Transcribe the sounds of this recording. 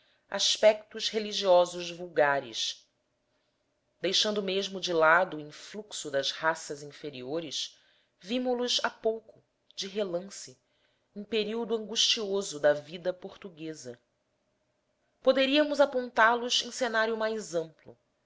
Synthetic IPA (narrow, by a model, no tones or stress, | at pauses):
a̰ʃpɛk̚t̪ʊʃheliʒiɔzʊzvuwɡaɾɪ̰ʃ | d̪ejʃɐ̃nd̪ʊmeʒmʊd͡ʒɪlad̪ʊːĩfluksʊd̪ɐzhasɐzĩfeɾioɾɪʃ | vimʊlʊzapowkʊ | d͡ʒɪɦelɐ̃sɪ | ẽj̃peɾiwd̪uɐ̃ŋɡuʃt͡ʃiozʊd̪ɐvid̪ɐpoɾt̪uɡezɐ | pod̪eɾiɐmʊzapõnt̪alʊzẽj̃senaɾjʊmajzɐ̃mplʊ̰